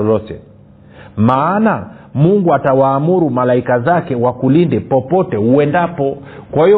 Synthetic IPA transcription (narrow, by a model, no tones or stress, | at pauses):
ɔlɔtɛ̰ | maːna | muŋɡuatawaːmuɾumalaikazakɛwakulindɛpɔpɔtɛhuɛndapɔ | kwahi